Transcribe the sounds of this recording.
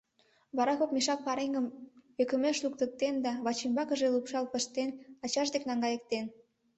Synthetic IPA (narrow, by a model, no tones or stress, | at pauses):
βɑɾɑkokmiʃɑk̚pɑɾeŋɡəmøkəmeʃluk̚t̪ək̚t̪end̪ɑβɑt͡ɕembɑkə̆ʒelupʃɑlpəʃt̪enɑt͡ɕɑʃd̪eknɑŋɡɑjək̚t̪en